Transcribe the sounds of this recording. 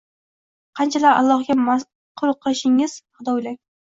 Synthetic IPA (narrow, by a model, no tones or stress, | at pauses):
qʰɑnt͡ʃʰalaɾa̰lˠːɒχɡʲama | qʰʊɾʊqʰːɑʃɪŋɪz̥χʊd̪ɒlaŋ